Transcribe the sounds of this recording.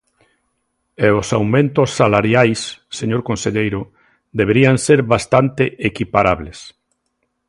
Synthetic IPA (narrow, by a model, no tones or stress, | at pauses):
eosawmẽnt̪osːalaɾjajsːeɲoɾkonseʎejɾʊ | d̪eβeɾiaŋseɾβast̪ant̪eʔekipaɾaβles